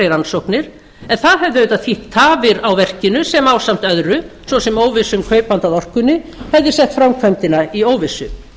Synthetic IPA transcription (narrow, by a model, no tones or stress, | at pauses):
ɪɾansohknɪɾ̥ | ɛnθaðɦɛvðɪvet̪aðfiht̪ʰːaːvɪɾawvɛr̥cɪnʏsɛmaːwsam̥t̪œðɾʏsvɔsɛmoːwvɪsʏmkʰœːɥpant̪aðɔr̥kʏnːɪhɛvðɪsɛht̪fɾamkʰvœmt̪ɪnaioːwvɪsʏ